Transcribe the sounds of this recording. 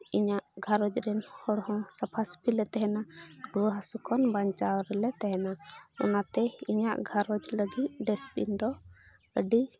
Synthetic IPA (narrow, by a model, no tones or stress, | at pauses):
iɲaʔɡʱaɾɔd͡ʒɾɛnhɔɽhɔ̃sapʰaspʰilɛt̪ɛɦɛnaɾuɦasukʰɔnbaɲt͡ʃawɾɛlɛt̪ɛɦɛnaɔ̰nat̪ɛiɲaʔɡʱaɾɔd͡ʒləɡit̪̚ɖɛspḭnd̪ɔ | əɖi